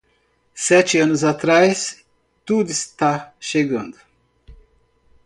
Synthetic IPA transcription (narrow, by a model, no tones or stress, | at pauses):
sɛt͡ʃɪɐ̃nʊzat̪ɾajs | t̪ud̪ʊist̪aʃeɡɐ̃nd̪ʊ